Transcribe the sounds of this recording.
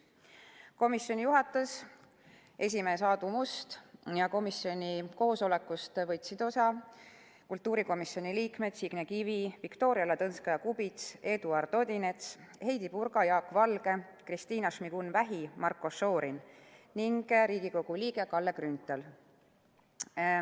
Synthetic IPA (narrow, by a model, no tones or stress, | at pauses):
ko̞misjo̞nʲijuɦɑt̪ːˑus | e̞s̬ʲime̞ːsɑːd̪umust̪jɑko̞misjo̞nʲiko̞ːso̞le̞kːust̪vɤjt̪sid̪̥o̞sɑ | kult̪ːˑuːɾiko̞misjo̞nʲiliːkme̞d̪̥siɡ̥nekivivikt̪o̞ːɾiɑlet̪ɤnskɑjɑkubit̪se̞d̪uɑrd̪̥o̞d̪ʲine̞t̪she̞jd̪ipurɡ̥ɑjɑːkːvɑlɡ̥e̞ | krist̪iːnɑʃmiɡ̥unvæɦimɑrkːo̞sːo̞ːɾinniŋɡ̥ɾiːɡiko̞ɡ̥uliːɡe̞kɑlːeɡrynt̪ːˑel